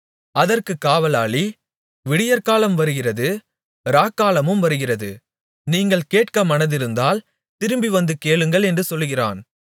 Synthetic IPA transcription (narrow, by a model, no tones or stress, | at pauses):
ɐðɐrkɯkːaːʋɐlaːɭi | ʋɪɽɪjɐɾkaːlɐmʋɐɾɯɣɪrɐðɯ | ɾaːkːaːlɐmɯmʋɐɾɯɣɪrɐðɯ | niːŋɡɐɭkeːʈkɐmɐnɐðɪɾɯnd̪aːl | t̪ɪɾɯmbiʋɐnd̪ɯkeːɭɯŋɡɐɭɛndrɯsɔlːɯɣɪra̰ːn